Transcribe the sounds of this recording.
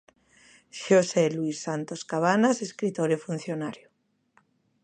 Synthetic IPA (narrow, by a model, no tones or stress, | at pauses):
ʃoseluisːant̪oskaβanaseskɾit̪oɾefun̟θjonaɾjo